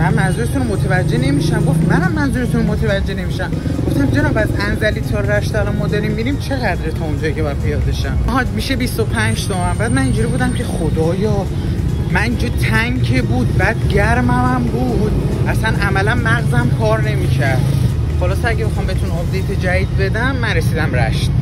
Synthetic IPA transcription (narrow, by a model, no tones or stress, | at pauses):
mænmænzuːɾet̪ʰunomot̪ʰevæd͡ʒːe̞ne̞miʃæmɡo̞ft̪mænæmːænzuːɾet̪ʰunmot̪ʰevæd͡ʒːe̞ne̞miʃæmɡ̥o̞ft̪æmd͡ʒe̞nɒːbæzʔænzæliːt̪ʰɒɾæʃt̪ʰæɾomɒːd̪ɒɾimːiɾimt͡ʃʰe̞ɣæd̪ɾet̪ʰɒond͡ʒɒːjicʰebd̪̚pʰejɒːd̪eʃæmɦɒd͡ʒmiʃe̞bist̪o̞pʰænd͡ʒd̪ɒmæmbæːd̪̚mænĩnd͡ʒuːɾiːbuːd̪æmcʲʰe̞xod̪ɒːjɒ | mænind͡ʒut̪ʰæŋkʰebuːd̪̚bæd̪ɟæɾmæmæmbuːd̪̥ʔæsænʔæmælænmæɣzæmkʰɒːɾne̞miːcʰæɾd̪̥ | χolɒːseæɟebexɒːmbet̪ʰunɒbd̪ejt̪ʰed͡ʒæid̪̚be̞d̪æmːænɾesiːd̪æmɾæ̰ʃt̪